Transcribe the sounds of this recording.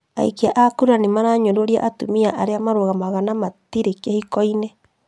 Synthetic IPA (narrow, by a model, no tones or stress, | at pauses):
a̰ḭkeaʔakuɾɾanemaɾaɲodoɾia̰ʔatumiaʔaɾeamaɾoɣamaɣanamatiɾekɛhikɔinɛ